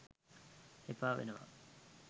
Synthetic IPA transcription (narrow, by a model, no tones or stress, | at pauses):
epaːʋḛnuʋɐ̰